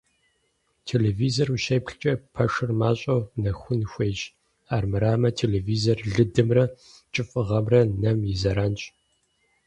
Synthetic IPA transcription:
tʰeːleːviːzoruʃɐjpɬt͡ʃʼɐpʰɐʂɨrmaːɕʼɐwnɐxʷʊnxʷeːd͡ʒ | aːrmɨɾaːmɐtʰeːleːviːzorɮɨdɨmrɐ | t͡ʃʼɨfʼɨʁɐmrɐnɐmjizɐɾaːnt͡ʃʼ

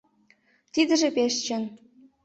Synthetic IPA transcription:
t̪id̪ə̆ʒĕpeʃt͡ɕə̆n

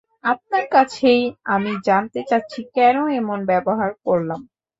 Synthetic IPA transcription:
ap̚naɾkat͡ɕʰejamid͡ʑant̪et͡ɕatːɕʰikɛnoemonbɛboɦaɾkoɾlam

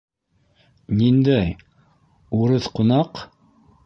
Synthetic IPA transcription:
nind̪æj | uɾɤθqunɑq

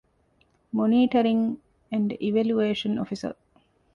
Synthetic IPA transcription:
moniːʈɐɾiŋ | æ̃ɳɖiʋæljueːʃəno̰fisə̰

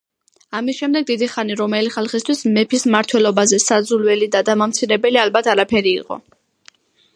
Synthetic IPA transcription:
amisʃɛmd̪ɛɡ̚d̪id̪iχaniɾɔmɛliχalˠχist̪ʰwismɛpʰismaɾt̪ʰwɛlɔbazɛsad̪zulwɛlid̪ad̪amamt̪sʰiɾɛbɛlialbat̪ʰaɾapʰɛɾḭːqʼɔ̰

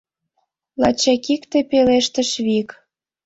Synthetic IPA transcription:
lɑ̰t͡ɕɑkikt̪epeleʃt̪ə̆ʃβik

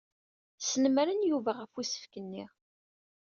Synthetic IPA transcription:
sənəmɾənjuvæʁəfisə̥fkənːiʁ

